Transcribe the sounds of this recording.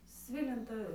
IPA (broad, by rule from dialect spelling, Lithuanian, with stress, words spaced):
ˈsʲʋʲɪlʲɪntɑː